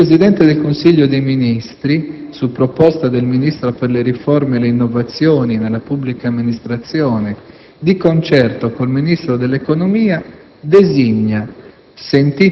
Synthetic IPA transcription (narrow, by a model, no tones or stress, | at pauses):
ɾezid̪ɛnt̪ed̪elkonsiʎːod̪ejminist̪ɾisupːɾopɔst̪ad̪elminist̪ɾoperleɾifɔrmeːleinːovat̪sːjɔːninelːapubːlikaːmːinist̪ɾat̪sːjɔːne | d̪ikont͡ʃɛrt̪okolminist̪ɾod̪elːekonomiːa | d̪eziɲːa | sent̪i